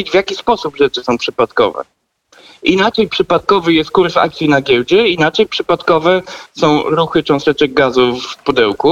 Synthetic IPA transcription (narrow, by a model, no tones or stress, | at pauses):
d͡ʑvjakʲispɔsupʐɛt͡ʂɘsɔ̃w̃pʂɘpat̪kɔ̰vɛ̰ | inat͡ʂɛjpʂɘpat̪̚kɔvɘjɛst̪̚kuɾsa̰k̚t̪sʲinaɡʲjɛwd͡ʑɛinat͡ʂɛjpʂɘpat̪kɔvɛsɔ̃w̃ɾuxɘt͡ʂɔ̃w̃st̪ɛt͡ʂɛɡ̚ɡazufpud̪ɛwku